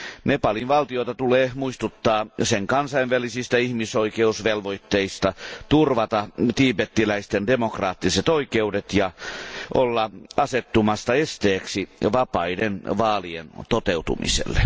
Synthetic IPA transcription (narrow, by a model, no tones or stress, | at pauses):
nepɑlinʋɑlt̪iot̪ɑt̪uleːmuist̪ut̪ːɑːseŋkɑnsɑiʋʋælisist̪æihmisoikeusʋelʋoit̪ːeist̪ɑt̪urʋɑt̪ɑt̪iːpet̪ːilæist̪endemokrɑːt̪ːiset̪oikeudet̪jɑʔolːɑɑset̪ːumɑst̪ɑest̪eːksiʋɑpɑidenʋɑːliḛnt̪ot̪eut̪ṵmḭsḛlːḛ